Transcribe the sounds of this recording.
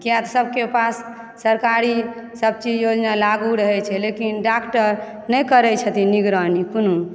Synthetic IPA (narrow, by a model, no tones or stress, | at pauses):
kijat̪ɔsəb̚kepasː | əɾkaɾisəb̚t͡ʃid͡ʒjod͡ʒnalaɡuɾəɦɛt͡ʃʰɛlekinɖakʈəɾ | nəjkəɾɛt͡ʃʰət̪iniɡɾanikono